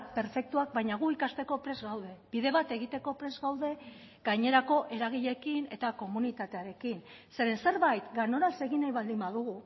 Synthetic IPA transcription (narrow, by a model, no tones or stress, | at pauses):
k̚pe̞ɾfe̞k̚t̪uak̚bajɲaɣ̞uikast̪e̞ko̞pɾe̞zɣawðe̞b̥iðe̞β̞at̪e̞ɣ̞it̪e̞ko̞pɾe̞zɡawðe̞ | ɡajɲe̞ɾako̞ʔe̞ɾaɣ̞iʎe̞kine̞t̪ako̞munit̪at̪e̞aɾe̞kin | se̞ɾe̞nse̞ɾβajt̪ɡano̞ɾase̞ɣinajβald̪imbaðuɣ̞u